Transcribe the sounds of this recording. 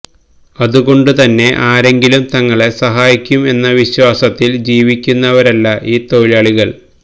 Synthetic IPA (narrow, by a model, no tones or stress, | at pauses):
ɐðuɣo̞ɳɖut̪ɐnːe̞ʔaːɾe̞ŋɡilumt̪ɐŋːɐɭe̞sɐɦaːjikʲːume̞nːɐʋiɕwaːsɐt̪ːild͡ʑiːʋikʲːunːɐʋɐɾɐlːɐʔiːt̪o̞ɻilaɭiɣɐɭ